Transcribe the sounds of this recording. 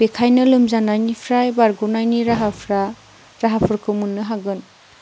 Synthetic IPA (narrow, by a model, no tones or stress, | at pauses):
bekʰajnɯlumzanajnipʰɾajbaɾɡunajniɾaɦapʰɾa | ɾaɦapʰɯɾkʰɯmunːɯɦaɡɯn